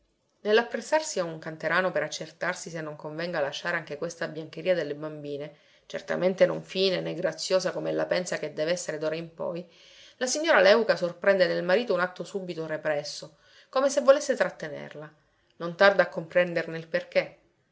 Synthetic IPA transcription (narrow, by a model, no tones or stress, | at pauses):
nelːapːɾesːarsiauŋkant̪eɾaːnopeɾat͡ʃːert̪arsisenːoŋkoɱvɛŋɡalaʃːaːɾeaŋk̟ekwest̪abjaŋk̟eɾiːad̪elːebambiːne | t͡ʃḛrt̪a̰ment̪enoɱfiːnenɛɡɾat̪sːjoːsakomɛlːapɛnsaked̪ːɛːveɛsːeɾed̪oːɾaimpɔ̰j | lasiɲːoːɾalɛukasorpɾɛnd̪enelmaɾiːt̪ounat̪ːosubit̪orepɾɛsːo | komesevːolesːet̪ɾat̪ːenḛrla | nont̪ard̪aːkːompɾɛnd̪erneilperk̟e